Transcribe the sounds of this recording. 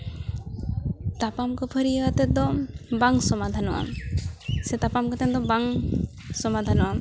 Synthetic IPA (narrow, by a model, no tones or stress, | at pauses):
t̪apamkɔpʰəɾiɛwat̪ɛd̪ɔbaŋsɔmad̪ʱanɔwa̰m | set̪apamkɔt̪ɛd̪ɔbaŋ | sɔmad̪ʱanɔwam